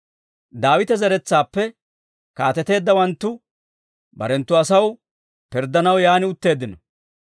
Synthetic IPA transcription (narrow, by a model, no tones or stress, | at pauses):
d̪aːwɪt̪ɛzɐɾɛt͡sːaːpːɛ | kaːt̪ɛt̪e̞ːd̪ːɐwɐnt̪ːʊ | bɐ̰ɾɛnt̪ːʊɐsɐw | pɪɾd̪ːɐnɐwjaːnɪʊt̪ːe̞ːd̪ːɪnɔ